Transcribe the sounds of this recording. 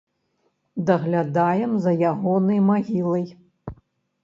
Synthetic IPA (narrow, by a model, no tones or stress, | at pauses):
d̪ɐɣlʲad̪ajɛmzɐjaɣɔnɐjmaɣʲilˠɐj